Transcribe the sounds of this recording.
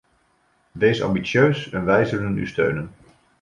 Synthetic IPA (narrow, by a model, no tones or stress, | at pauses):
ʋejsɑ̰mbitsjøɥsɛnʋɛjzɵləny̰stø̰ɥnən